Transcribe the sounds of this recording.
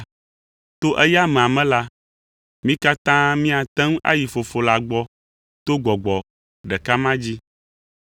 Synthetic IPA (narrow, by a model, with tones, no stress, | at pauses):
t̪o˦ʔɛ˦ja˦mɛ̃˨a˨mɛ̃˦la˦ | mĩ˦ka˦t̪ã˦mĩ˦a˨t̪ɛ̃˦ŋ˦ʔa̰˦ji˨fo˨fo˨la˨ɡ͡bɔ˦ | t̪o˦ɡɔ˨ɡ͡bɔ˨ | ɖɛ˨ka˦mã˦d͡ʑi˦